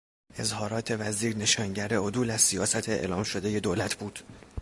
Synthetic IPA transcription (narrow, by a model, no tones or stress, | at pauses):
e̞zhɒːɾɒːt̪ʰe̞væziːɾne̞ʃɒːŋɟæɾeod̪uːlæzsijɒːsæt̪ʰeḛlɒːmʃo̞d̪e̞je̞d̪oːlæt̪ʰbuːd̪̥